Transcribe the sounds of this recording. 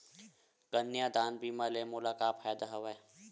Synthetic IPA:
ɡ̥ənːjad̪aːnbiːmalemʊlaːkaːpʰɛːd̪aɦɐʋɛː

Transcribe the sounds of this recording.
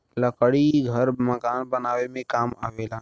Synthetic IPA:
ləkəɽiɡʱəɾməkaːnbənaːwemẽkaːma̰ːʋeːlaː

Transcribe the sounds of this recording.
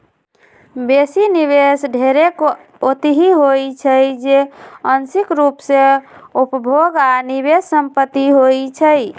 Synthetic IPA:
besiniβesɖʱeɾek | ot̪iɦiɦojt͡ʃʰəjd͡ʒeənsikɾupseupbʱoɡaniβesːəmpət̪ːiɦojt͡ʃʰəj

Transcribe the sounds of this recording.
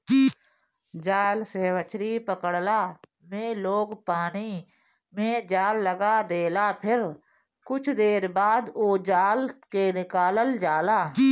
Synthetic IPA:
d͡ʒaːlseːʋət͡ʃɾipəkəɽlaː | mẽloːɡpaːni | mẽd͡ʒaːlːəɡad̪eːlapʰɪɾ | kʊt͡ʃʰd̪eːɾbaːd̪oːd͡ʒaːlkenɪkaːləld͡ʒaːlaː

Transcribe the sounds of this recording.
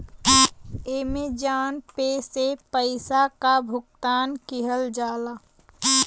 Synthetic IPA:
eːmed͡ʒaːnpesepəɪsakabʱʊkt̪aːnkɪɦəld͡ʒaːlaː

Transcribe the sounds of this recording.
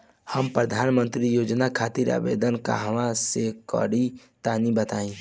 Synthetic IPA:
həmpɾəd̪ʱaːnmə̃nt̪ɾijoːd͡ʒnakʰaːt̪iɾa̰ːbḛːd̪ənka̰ɦəʋasekɔ̰ːɽi | t̪aːnibət̪aːĩː

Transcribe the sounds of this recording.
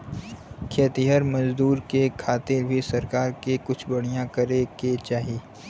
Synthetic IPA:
kʰeːt̪iɦəɾmɐzd̪uːɾkekʰaːt̪ɪɾbʱisɐɾkaːɾkekʊt͡ʃʰbɐɽ̤ijãkɐɾeket͡ʃaːɦiː

